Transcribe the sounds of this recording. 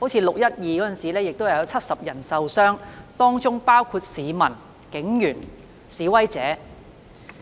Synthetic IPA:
ho˨˥wt͡sʰi˨˧˥lʊ˨k̚jɐ˥t̚jiː˨kɔː˨˥ə˥˨nsiː˨lɛː˥jɪ˨k̚t̪o˥hjɐ˨˧wt͡sʰɐ˥t̚sɐ˨p̚jɐ˨˩nsɐ˨wsœː˥ŋt̪ɔː˥ŋt͡sʊ˥ŋpaː˥wkʰuː˧t̚siː˨˧mɐ˨˩n | kɪ˨˥ŋjyː˨˩n | siː˨˥wɐ˥jt͡sɛː˨˥

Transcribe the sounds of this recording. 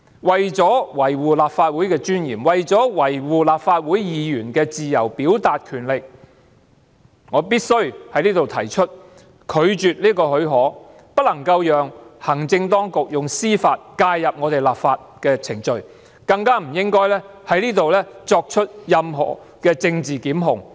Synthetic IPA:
wɐ˨jt͡sɔː˨˥wɐ˨˩jwuː˨laː˨p̚faː˧t̚wuː˨˥jkɛː˧t͡ʃyː˥njḭː˨˩mwɐ˨jt͡sɔː˨˥wɐ˨˩jwuː˨laː˨p̚faː˧t̚wuː˨˥jjiː˨˧jyː˨˩nkɛː˧t͡siː˨jɐ˨˩wpiː˨˥wt̪aː˨t̚kʰyː˨˩nlɪ˨k̚ | ŋɔː˨˧p̬iː˥t̚sɵ˥ɥhɐ˨˥jnliː˥t̪o˨wt̪ʰɐ˨˩jt͡ʃʰɵ˥t̚ | kʰɵ˨˧ɥt͡ʃyː˨t̚liː˥kɔː˧hɵ˨˥ɥɦɔː˨˥ | pɐ˥t̚lɐ˨˩ŋkɐ˧wjœː˨ŋhɐ˨˩ŋt͡sɪ˧ŋt̪ɔː˥ŋkʊ˨k̚jʊ˨ŋsiː˥faː˧t̚kaː˧jːɐ˨p̚ŋɔː˨˧t̪e˨jlaː˨p̚faː˧t̚kɛː˧t͡sʰɪ˨˩ŋt͡ʃɵ˨˧ɥ | kɐ˧ŋkaː˥m̩˨˩jɪ˥ŋkɔː˥jlɛː˥ | hɐ˨˥jliː˥t̪o˨wlɛː˥t͡sɔː˧k̚t͡ʃʰɵ˥t̚jɐ˧mɦɔ̰ː˨˩ | kɛː˧t͡sɪ˧ŋt͡siː˨kiː˨˥mɦʊ˨ŋ

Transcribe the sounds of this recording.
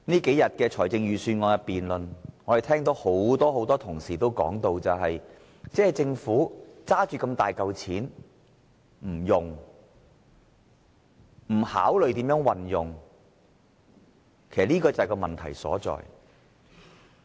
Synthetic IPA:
niː˥ke˨˥jɐ˨t̚kɛː˧t͡ʃʰɔː˨˩jt͡sɪ˧ŋjyː˨syː˧nŋɔː˧˥ŋjɐ˧t̚piː˨nlɵ˨nŋɔ˨˧˥e˨t̪ʰɛː˥ŋt̪̬o˨˥who˨˥wt̪ɔː˥ho˨˥wt̪ɔː˥t̪ʰʊ˨˩ŋsiː˨˩t̪o˥wkɔ̰ː˨˥ŋt̪o˧wt͡sɐ˨wɦɐ˨j | t͡sɛː˨˥hɐ˨jt͡sɪ˧ŋfuː˨˥t͡saː˥t͡ʃyː˨˧kɐ˧mt̪aː˨jkɐ˨˧wt͡sʰiː˨˥n | m̩˨˩jʊ˨ŋ | m̩˨˩ha̰ː˨˥wlɵ˨ɥt̪iː˨˥mjœː˨˧˥ŋwɐ˨njʊ˨ŋ | kʰe˨˩sɐ˨t̚liː˥kɔː˧t͡sɐ˨hɐ˨˩kɔː˧mɐ˨nt̪ʰɐ̰˨˩jsɔ̰ː˨˥t͡sɔ̰ː˨j

